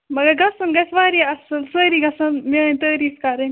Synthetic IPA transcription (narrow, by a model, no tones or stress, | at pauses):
mɐɡɐɾɡɐsɐnɡɐsʋaːɾiɐsɐlsɐɾiɡɐsɐnment̪əːɾiːfkɐɾɐn